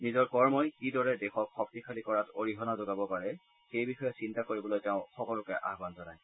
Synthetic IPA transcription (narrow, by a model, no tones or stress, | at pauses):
nizɔɹkɔɹmɔjkidɔɹɛdɛxɔkxɔk̚tikʰalikɔɹatoɹiɦɔnazoɡabɔpaɹɛ | xejbixɔjɔsintakoɹibɔlojtɛʊ̃xɔkɔlʊkɛʔa̰ɦbanzɔnaj